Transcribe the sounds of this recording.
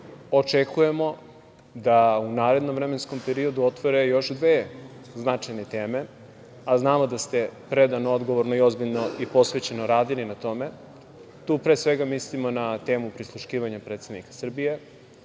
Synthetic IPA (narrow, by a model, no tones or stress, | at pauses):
o̞t͡ʂekuje̞mo̞ | d̪aunaːɾe̞d̪no̞mvɾe̞me̞nsko̞mpe̞ɾio̞d̪uo̞t̪ʋoɾe̞jo̞ʃd̪ʋeː | znat͡ʂajnet̪e̞ːme̞ | aznaːmo̞d̪ast̪e̞pɾe̞d̪anoo̞d̪ɡo̞ʋoɾnoio̞zbiʎno̞ʔipo̞sʋe̞t͡ɕe̞noɾaːd̪ilinat̪o̞me | t̪uːpɾe̞ːsʋe̞ɡamislimo̞nat̪e̞ːmupɾislˠuʃkiːʋaɲapɾet̪sed̪nikḁsr̩bije̞